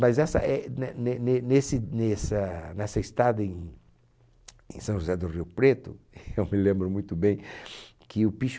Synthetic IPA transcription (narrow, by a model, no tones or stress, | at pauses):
mazɛsɐ̰ʔɛnɛnenenesɪnesɐnɛsɐist̪ad̪ɐẽj̃ | ḛ̃sɐ̃w̃ʒuzɛd̪ʊriwpɾet̪ʊ | ewmɪlẽmbɾʊmũj̃t̪ʊbẽj̃ | kʰɪʊpiʃ